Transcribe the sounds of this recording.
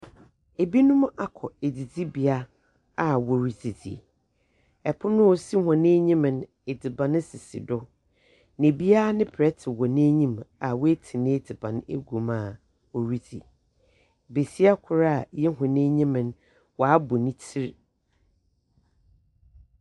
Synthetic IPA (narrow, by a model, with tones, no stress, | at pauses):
e˨bi˦nʊ̃˦m˦ʔa˦kʰɔ˨e˨d͡zi˨d͡zi˦bi˨a˦ | a˨wɔ˨ɾi˨d͡zi˨d͡zḭ˨ | ɛ˨pʰʊ˦nʊ̃˦ɔ˨si˦hɔ̃˨nẽ˦ɲĩ˦mɪ̃˨n | e˨d͡zi˨bã˨nɪ̃˦sɪ˨sḭ˨dʊ˦ | nɪ̃˨bi˦a˦nɪ̃˦pʰɾɛ˦tʰɪ˨wɔ˨nɪ̃˦ɲĩ˦ma˨we˦tʰi˨nɪ̃˦e˦d͡zi˨bã˨n˦e˦ɡu˨mã˨ | o˨ɾi˦d͡zḭ˨ | be˨si˦a˦kʰʊ˨ɾa˦˨jɛ˦ɦɔ̃˨nẽ˦ɲĩ˦mɪ̃˨n | wɔ˨a˦bʊ˨nĩ˦tʰi˦ɾ